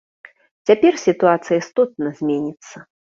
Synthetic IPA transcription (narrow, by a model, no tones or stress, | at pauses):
t͡sʲapʲɛrsʲit̪uat̪sɨjɐist̪ɔt̪̚nɐzʲmʲenʲit̪sːɐ